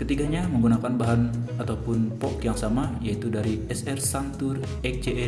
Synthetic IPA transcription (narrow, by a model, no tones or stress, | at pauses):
kət̪iɡaɲaməŋɡunakanbaɦanat̪awpʊnpɔkjaŋsamajait̪udaɾiɛsɛrsant̪ʊr | ɛk̚d͡ʒeʔɛ